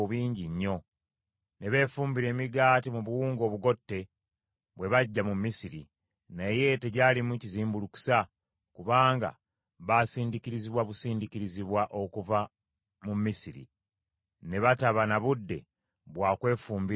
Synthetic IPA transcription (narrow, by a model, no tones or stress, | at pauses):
uβiːɲɟiɲːo̞ | ne̞βe̞ːfuːmbiɾe̞ːmiɡaːtimuβuwuːŋɡo̞ːβuɡo̞tːe̞ | βwe̞βaɟːamumːisiɾḭ | neje̞te̞ɟaːlimuciziːmbuluku̥sa | kuβaːŋɡa̰ | βasiːndikiɾiziβwaβusiːndiciɾiziβwaʔo̞kuva | mumːisiɾḭ | ne̞βataβanaβudːe̞̰ | βwaːkwe̞ːfuːmbi